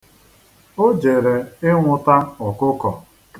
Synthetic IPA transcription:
o˦d͡ʒe˨ɾe˨ɪ˦ŋʷʊ˨ta˦ɔ˨kʊ˦kɔ˨

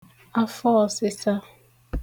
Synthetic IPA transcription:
a˦fɔ˦˨sɪ˦sa˦

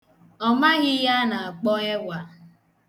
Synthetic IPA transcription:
ɔ˨ma˦ɣɪ˦ja˦na˨a˨k͡pɔ˦e˦ɡʷa˨

